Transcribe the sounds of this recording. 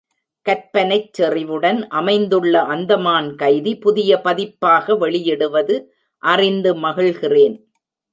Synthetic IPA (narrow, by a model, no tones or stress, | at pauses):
kɐɾpɐnɐɪt͡ʃːɛrɪʋɯɽɐnʔɐmɐɪnd̪ɯɭːɐʔɐnd̪ɐmaːnkɐɪðipʊðɪjɐpɐðɪpːaːɣɐʋɛɭɪjɛɽɯʋɐðɯ | ʔɐrɪnd̪ɯmɐɣɪɭɣɪreːn